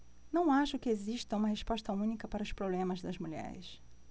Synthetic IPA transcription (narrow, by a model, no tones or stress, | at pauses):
nɐ̃w̃aʃʊkɪeziʃt̪ɐũmɐɦespɔʃt̪ɐũnikɐpaɾɐʊspɾoblẽmɐzd̪ɐzmuʎɛ̰ɾɪ̰s